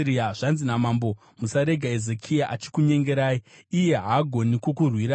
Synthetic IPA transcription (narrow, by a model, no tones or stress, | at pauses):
iaʐ̥anzinamaːmbo̞ | musaɾe̞ɡʱaezekʰijaʔat͡ʃi̥kuɲe̞ŋɡe̞ɾaːjiːje̞ɦaːɡʱo̞nikokurwiɾa